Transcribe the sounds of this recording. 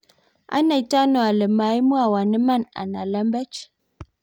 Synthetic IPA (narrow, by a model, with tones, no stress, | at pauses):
a̰˦na˨jta˦no˨a˨lə˨ma˨˦i˦mu˦a˨wa˨nə˦ma˦˨na̰˨na˨la˦mbɛ˦t͡ʃ